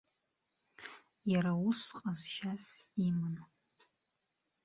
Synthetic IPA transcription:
jaɾausqʼazʃasimɨn

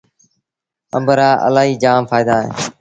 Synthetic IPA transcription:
ə̰mbəɾaːʔə̰laːɦiːd͡ʒaːmfaːɪd̪aːɦḛ̃ː

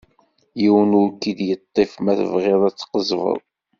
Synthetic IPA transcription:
jiwənʊɾkid̪jət̪ˤːefmæθə̰vʁɪðˤæt͡sːqəzvə̰ðˤ

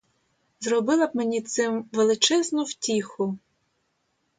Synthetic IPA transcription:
zrɔbɪlˠɐb̚menʲit̪sɪmʋelˠɪt͡ʃɛznʊwtʲixʊ

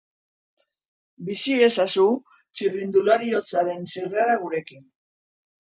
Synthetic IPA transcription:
bisie̞sasu | t͡ʃirind̪ulaɾio̞t͡saɾe̞nsireaɾaɣuɾe̞kin

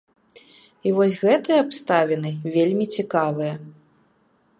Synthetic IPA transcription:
ivɔsʲɣɛt̪ɨjɐapst̪avʲɛnɨvʲelʲmʲit͡sʲikavɨjɐ

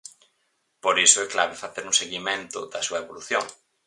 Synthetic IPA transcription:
poɾisʊɛkla̰βɪfaθeɾuŋseɣimẽnt̪ʊ̰ðɐsuɐeβoluθjoŋ

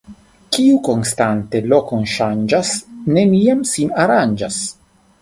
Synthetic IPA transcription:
kiukonst̪ant̪elokonʃand͡ʒasneniamsinaɾand͡ʒas

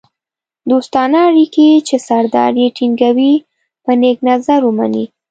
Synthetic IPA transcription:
d̪ost̪ɑnɑːɽiket͡ʃesaɾd̪ɑ̰ɾjeʈiŋɡawi | pəneɡnazaɾuma̰nḭ

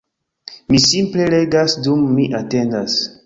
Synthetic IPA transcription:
misimple̞le̞ɡasdumːiʔate̞ndas

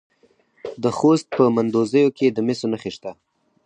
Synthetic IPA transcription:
d̪əxost̪̚pəmand̪ozəjoked̪əmɪsonaxeʃt̪a

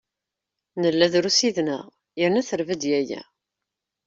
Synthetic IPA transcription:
nəlːæðɾusiðnə̰ʁ | jəɾnæθəɾvæd̪jæjæ̰

